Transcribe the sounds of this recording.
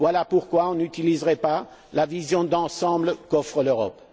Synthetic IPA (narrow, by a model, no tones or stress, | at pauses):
vwalapuʁkwaɔ̃nyt̪ilizʁɛpa | lavizjɔ̃d̪ɑ̃sɑ̃bləkɔfχəløʁɔ̰p